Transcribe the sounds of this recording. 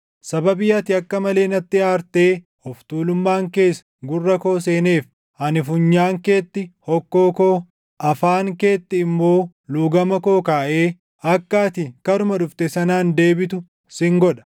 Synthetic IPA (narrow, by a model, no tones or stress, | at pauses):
sɐbɐbɪjɐt̪ɪɐkːɐmɐle̞ːnɐt̪ːɪaːɾt̪e̞ː | ɔft̪uːlʊmːaːŋke̞ːs | ɡʊrːɐko̞ːs̬e̞ːne̞ːf | ɐnɪfʊɲːaːŋke̞ːt̪ːɪhɔkːoːkoː | ʔɐfaːŋke̞ːt̪ːɪːmːo̞ː | luːɡɐmɐkoːkaːʔe̞ː | ɐkːaːt̪ɪkɐɾʊmɐᶑʊft̪ɛsɐnaːnd̪e̞ːbɪt̪ʊ | sɪŋɡɔᶑɐ̥